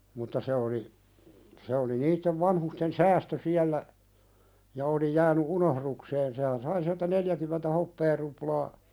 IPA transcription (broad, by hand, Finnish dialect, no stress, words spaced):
mutːɑ se oli se oli niːtːeʋ ʋɑnhusten sæːstø siælːæ jɑ oli jæːny unohɾukseːn sehæn sɑi siæltæ neljækymentæ hopːeːruplɑː